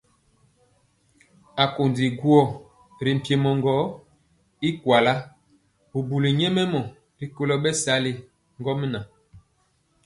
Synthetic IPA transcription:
a˨ko˨ndi˨ɡu˦ɔ˦˨ | ɾi˨m̩˨pje˨mɔ˨ŋɡɔ˨˦ | i˦kwa˨la˦ | bu˨bu˨li˨ɲɛ˦mɛ˦mɔ˨ | ɾi˨ko˦lɔ˦bɛ˦sa˨˦le˨ | ŋɡɔ˦m˦na˨

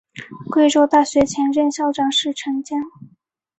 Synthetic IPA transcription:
kwe˥˧ɪʈ͡ʂo˥˧ʊt̪a˥˩ɕɥɛ˧˥t͡ɕʰjɛ˧˥nɻə˥˧nɕjɑ˥ʊʈ͡ʂɑ˥˩ŋʂɻ̩˥˩ʈ͡ʂʰɤ˧˥ŋt͡ɕjɛ˥˩n

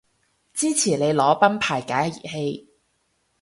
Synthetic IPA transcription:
t͡siː˥t͡sʰiː˨˩le˨˧jlɔː˨˥pɐ˥npʰaː˨˩jkaː˨˥jɐ˧jḭ˨˩he˧j

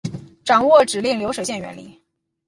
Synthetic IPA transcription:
ʈ͡ʂɑ˨˩ŋwɔ˥˩ʈ͡ʂɻ̩˨˩li˥˩ŋljo˧˥ʊʂɤ˨˩ɕjɛ˥˩nɥɛ̰˧˥nlḭ˨˩˦

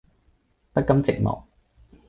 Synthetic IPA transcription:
pɐ˥t̚kɐ˨˥mt͡sɪ˨k̚mɔ̰ː˨˩k̚

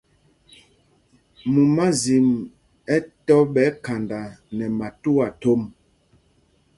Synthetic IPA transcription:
mu˨ma˦zi˨m | ɛ˦tɔ˦ɓɛ˨˦ka˨nda˨nɛ˨ma˨tu˦a˨to˦m

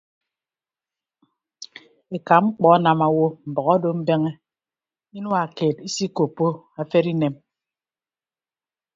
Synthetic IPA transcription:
e˨ka˨ŋ͡m̩˦k͡pɔ˦a˦na˨ma˨wo˦m̩˨bɔ˨ɣa˦do˦m̩˦be˦ŋe˦ | i˦nu˦a˨keː˨ti˦si˦ko˨pːo˦ | a˨fe˦ɾi˦ne˨m

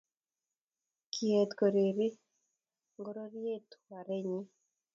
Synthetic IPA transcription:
kʰie˨t̪ko˨ɾi˨ɾi˦ | ŋɡo˦ɾo˦ɾje˦t̪wa˨ɾe˦ɲi˦

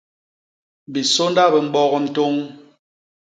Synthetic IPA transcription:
bi˨so˦nda˦bə˨m̩˦bɔ˦ɣɔ˨n̩˨to˦ŋ

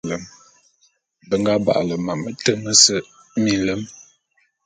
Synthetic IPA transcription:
lə˨˦m | bə˨ŋɡa˦ba̰˨ʔlə˨ma˨mə˦tə˦mə˦sə˦ | mi˨lə˦m

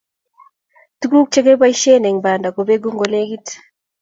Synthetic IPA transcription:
tu˦ku˦k̚t͡ʃe˦ke˦ba˦i˦ʃe˦nɛ˨ŋba˨nda˨ko˨be˦ɡu˦ŋɡo˨le˦ɡi˦t

